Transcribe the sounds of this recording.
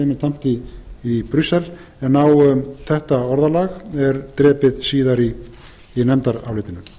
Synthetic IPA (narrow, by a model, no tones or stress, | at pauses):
emɪnt̪ʰam̥t̪iː | pɾysɛl | ɛnawθɛht̪aɔɾðalaːɣɛɾt̪ɾɛːpɪðsiːðaɾiː | nɛmt̪aɾa̰wlɪːt̪ɪnʏ